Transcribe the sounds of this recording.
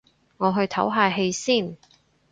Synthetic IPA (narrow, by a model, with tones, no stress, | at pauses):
ŋɔː˨˧ɦɵ˧ɥt̪ʰɐ˨˥wɦaː˨˧ɦe˧jsiː˥˩n